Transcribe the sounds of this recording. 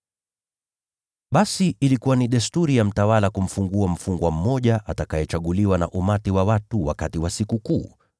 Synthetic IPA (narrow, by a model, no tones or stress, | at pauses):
ɓasiʔːlikuwaniɗɛstuɾijam̩tawalakum̩fuŋɡuam̩fuŋɡwam̩mɔʄaʔatakajɛt͡ʃaɠuliwana̰ʔumatiwawatuwa̰katiwasikukuː